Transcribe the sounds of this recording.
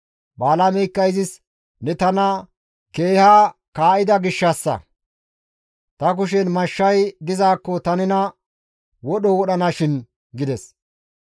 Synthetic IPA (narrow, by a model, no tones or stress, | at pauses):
baːlɐmɛkːɐjzɪs | nɛt̪ɐnɐ | ke̞ːhakaːʔɪd̪ɐɡɪʃːɐsːɐ̰ | t̪ɐk̬ʊʃ̬ɛnmɐʃːɐjd̪ɪzaːkːɔt̪ɐnɪnɐ | wɔɗɔwɔɗɐnɐʃɪn | ɡɪd̪ɛs